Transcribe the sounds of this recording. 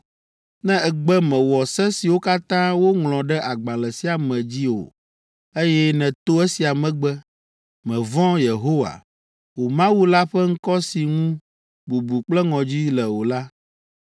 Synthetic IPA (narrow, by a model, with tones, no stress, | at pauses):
nɛ̃˦ɛ˨ɡ͡bɛ˦mɛ̃˨wɔ˨sɛ˦si˨wo˦ka˦t̪ã˦wo˦ŋlɔ̃˨ɖɛ˦ʔa˨ɡ͡bã˨lɛ˨si˦a˨mɛ̃˨d͡ʑi˦o̰˨ | e˦jɛ˦nɛ̃˨t̪o˦ɛ˦si˨a˨mɛ̃˨ɡ͡bɛ˦ | mɛ̃˨vɔ̃˦je˨ɦo˦wa̰˨ | wo˨mã˦wu˦la˦ɸɛ˦ŋ̩˦kɔ˦si˨ŋũ˦ | bu˨bu˨k͡plɛ˦ŋɔ̃˨d͡ʑi˦lɛ˨wo˨la˦